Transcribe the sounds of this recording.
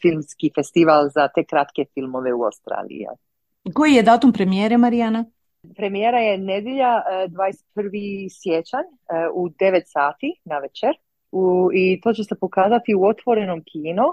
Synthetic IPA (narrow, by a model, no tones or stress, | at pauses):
filˠmskifest̪iʋalzat̪e̞kɾat̪ke̞filˠmo̞ʋeua̰wst̪ɾa̰ːlḭja̰ | ko̞jijed̪aːt̪umpɾemijeɾemaɾijana | pɾe̞mijeɾajened̪jeʎad̪ʋaːdese̥t̪̚pər̩ʋisjet͡ʃaɲ | ud̪e̞ʋet̪saːt̪inaʋet͡ʃeɾ | uit̪o̞ːt͡ɕe̞se̞po̞kaːzat̪iuo̞t̪ʋo̞ɾenomkʰiːnu